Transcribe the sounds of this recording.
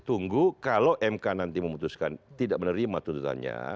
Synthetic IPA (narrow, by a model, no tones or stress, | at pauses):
t̪uŋɡukalawʔɛmkanant̪iməmut̪uskant̪idaʔ̚mənəɾimat̪unt̪ut̪a̰nɲa̰